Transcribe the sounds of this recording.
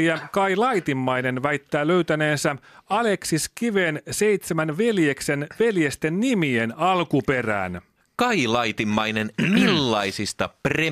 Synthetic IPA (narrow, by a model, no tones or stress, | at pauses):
ækɑilɑjt̪imːɑjne̞nʋæjt̪ːæːløyt̪æne̞ːnsæɑle̞ksiskiʋe̞ːnse̞it̪semænʋe̞ljeksenʋe̞ljest̪e̞nːimienɑlkupe̞ræ̰ːn | kɑilɑjt̪imːɑjne̞nmilːɑisist̪ɑpre